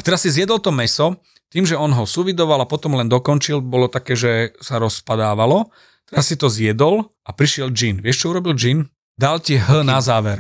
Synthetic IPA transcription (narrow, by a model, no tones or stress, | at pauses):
at̪ɛɾasːizjɛd̪ɔlt̪ɔmɛsɔ | t̪iːmʒɛɔnɦɔsuʋid̪ɔʋalapɔt̪ɔmlɛnd̪ɔkɔnt͡ʃilbɔlɔt̪akɛːʒɛsaɾɔspad̪aːʋalɔ | t̪ɛɾasːit̪ɔzjɛd̪ɔl | apɾiʃɪɛld͡ʒinʋɪɛʃt͡ʃɔuɾɔbild͡ʒin | d̪alciɦ̩nazaːʋɛɾ